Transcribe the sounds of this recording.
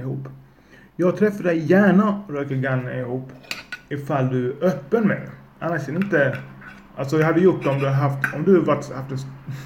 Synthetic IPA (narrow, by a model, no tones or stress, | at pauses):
ɪhuːpː | jɑːɡ̚t̪ʰɾɛfːaɖ̪ɛjjæːɳaɾøːkəɾɡanːaɪhuːpːɪfald̪ɵæɾʔœpːənmɛ̰jʔanːaʂɛd̪ɪnt̪ə | ʔalsɔjaɑhad̪ːəjʊʈːd̪ɛɔmd̪ɵhaɦaft̪ɔmd̪ɵvaʈːhaft̪ɛs